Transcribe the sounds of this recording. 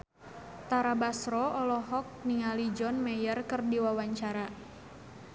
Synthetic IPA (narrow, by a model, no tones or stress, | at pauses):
t̪aɾabasɾɔɔlɔɦɔk̚niŋalid͡ʒɔnmɛjərkərdiwawaɲt͡ʃaɾa